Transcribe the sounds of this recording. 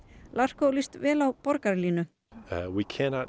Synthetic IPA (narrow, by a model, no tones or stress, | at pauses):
lar̥kowlist̪vɛːlawpɔɾkaɾliːnʏ | wikʰænɑt